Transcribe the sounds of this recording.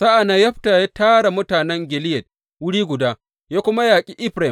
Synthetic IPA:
sa˦ʔa˨na˦jɐ˦ɸta˨ja˦taː˦ɽa˨mʊ˦taː˨nɛ˦ŋɡʲɪ˨lɪ˦jɐ˨d̚ | wʊ˦ɽiː˦ɡʷʊ˨daː˦ | jaː˦kʷʊ˦ma˦jaː˨kʲʼiː˦ʔɪ˦ɸɾa˨

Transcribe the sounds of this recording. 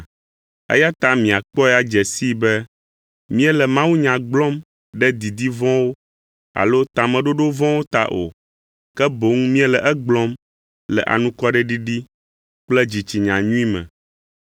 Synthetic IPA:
ɛ̰˦ja˦t̪a˦mĩ˨a˨k͡pɔ˦ɛ˦˨a˨d͡ʒɛ˨si˦bɛ˦ | mĩ˦ɛ˦lɛ˨mã˦wu˦ɲã˨ɡ͡blɔ̃˦m | ɖɛ˦d̪i˨d̪i˦vɔ̃˦wo˦ | a̰˨lo˦t̪a˨mɛ̃˨ɖo˦ɖo˦vɔ̃˦wo˦t̪a̰˦ʔo̰˨ | kɛ˦bo˨˦ŋu˦mĩ˦ɛ˦lɛ˨ʔɛ˦ɡ͡blɔ̃˦m | lɛ̰˨ʔa̰˨nũ˦kɔ˦ɖɛ˦ɖi˦ɖi˦ | k͡plɛ˦d͡ʑi˨t͡ɕi˨ɲã˨ɲũ˦ĩ˦mɛ̰̃˨

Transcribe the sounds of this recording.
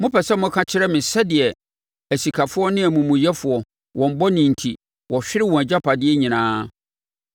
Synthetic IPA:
mʊ̃˦pɛ˨sɛ˦mʊ̃˦kʰã˦t͡ɕʰɪ˦ɾɛ˦mɪ̃˨sɛ˦dɪ˨ɛ˨ | æ˨si˨kʰa˨fʊ˦ɔ˦nɪ̃˦æ˨mũ˨mʊ̃˨jɛ˦fʊ˨ɔ˨ | wʔɔ̃˨m˦bɔ˦nĩ˨n̩˨tʰi˨ | wʔɔ˨ɕᶣɪ˦ɾɪ˦wɔ̃˨æ˨d͡ʑa˦pʰa˨dɪ˦ɛ˦ɲĩ˨nãː˦

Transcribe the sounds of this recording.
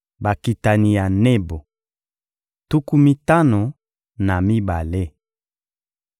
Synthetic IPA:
ba˨ki˨ta˨ni˨ja˨ne˦bo˨ | tu˦ku˦mi˦ta˦no˨ | na˨mi˦ba˨le˦

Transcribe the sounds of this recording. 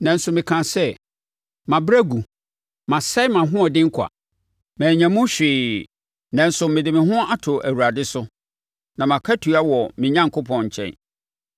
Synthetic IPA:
nã˨n̩˦sʊ˨mɪ̃˨kʰã˨sɛ˦ | mã˨bɾæ˦ɡu˨ | mã˨sa˦mã˨ɦʊ̃˦ɔ˨dɪ̃˦ŋ̩˦kʰa̰˨ | mæ̃ː˨ɲã˨mʊ̃˦ɕᶣɪː˨ | nã˨n̩˦sʊ˨mɪ̃˨dɪ˨mɪ̃˨ɦʊ̃˦a˦tʰʊ˨ʔæ˨wu˨ɾa˨dɪ˦sʊ˦ | nã˨mã˨kʰa˦tʰu˨a˦wɔ˨mɪ̃˨ɲã˦ŋ˨kʰʊ˦pʰɔ̃˨nɲ̩˨t͡ɕʰɛ̰̃˦n

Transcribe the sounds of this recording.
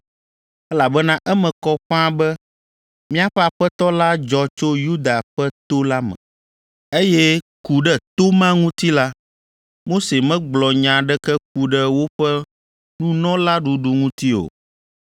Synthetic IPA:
ɛ˦la˨bɛ˦nã˦ʔɛ˦mɛ̃˨kɔ˦ɸã˦bɛ˦ | mĩ˦a˦ɸɛ˦a˨ɸɛ˦t̪ɔ˦la˦d͡ʒɔ˨t͡ʃo˦ju˦d̪a˨ɸɛ˦t̪o˦la˦mɛ̰̃˨ | e˦jɛ˦ | ku˨ɖɛ˦t̪o˦mã˦ŋũ˦t̪i˦la˦ | mo˦se˨mɛ̃˦ɡ͡blɔ˨ɲã˨ɖɛ˦kɛ˦k̚u˨ɖɛ˦wo˦ɸɛ˦ | nũ˦nɔ̃˦la˦ɖu˨ɖu˨ŋũ˦t̪i˦o̰˨

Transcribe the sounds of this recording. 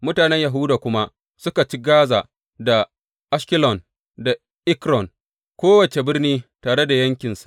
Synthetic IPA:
mʊ˦taː˨nɛ˦ɲja˨ɦʊ˦daː˨kʷʊ˦ma˦ | sʊ˦ka˨t͡ʃi˦ɡaː˦za˨ | da˨ | ʔa˦ʃkʲɪ˦lɔ˨n | da˨ | ʔɪ˦kɾɔ˨ŋ | kʷoː˦wɐ˨t͡ʃe˨bɪ˦rniː˦taː˨ɽe˦da˨jɐ˦ŋkʲɪ˨nsḁ˨ʔ

